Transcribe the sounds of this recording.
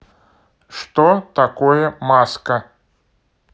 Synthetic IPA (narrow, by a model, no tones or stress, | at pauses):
ʂt̪ɔt̪akɔjɛmaskɐ